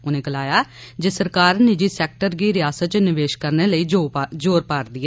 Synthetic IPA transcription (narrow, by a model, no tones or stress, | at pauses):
ʊnẽːɡəlaːjaːd͡ʒesəɾkaːɾnɪd͡ʒiːsɛːk̚ʈəɾɡiːɾɪjaːsət̪̚t͡ʃnɪʋeːʃkəɾneːləiːd͡ʒoːɾpaːɾd̪iːɛː